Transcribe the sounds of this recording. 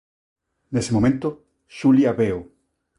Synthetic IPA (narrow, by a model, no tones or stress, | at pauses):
nesemomẽnt̪o | ʃuliaβeo